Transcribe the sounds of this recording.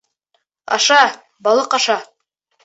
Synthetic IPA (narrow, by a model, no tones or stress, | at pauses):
ɑ̰ʃɑ | bɑlˠɤqɑʃɑ